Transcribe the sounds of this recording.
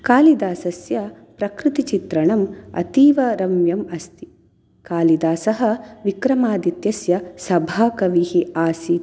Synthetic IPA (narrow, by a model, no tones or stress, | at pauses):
kaːlid̪aːsɐsjɐ | pɾɐkɾɪt̪it͡ʃit̪ɾɐɳɐmɐ̰t̪iːʋɐɾɐmjɐmɐst̪i̥ | kaːlid̪aːsɐɦɐʋikɾɐmaːd̪it̪jɐsjɐsɐbʱaːkɐʋihiaːsi